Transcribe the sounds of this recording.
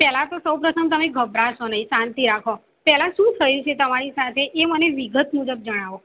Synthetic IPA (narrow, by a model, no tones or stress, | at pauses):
pɛlat̪osəwpɾət̪ʰəmt̪əmeɡʱəbɾaʃonəĩsant̪iɾakʰo | pɛlaʃũt̪ʰəjũt͡ʃʰet̪əmaɾisat̪ʰeʔːməneʋiɡət̪mud͡ʒəb̚d͡ʒəɽ̃aʋo